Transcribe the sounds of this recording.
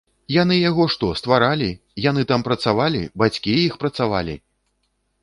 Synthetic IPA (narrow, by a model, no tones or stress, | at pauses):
janɨjaɣɔʂt̪ɔst̪vaɾalʲi | janɨt̪ampɾɐt̪savalʲḭbat͡sʲkʲijixpɾɐt̪sava̰lʲḭ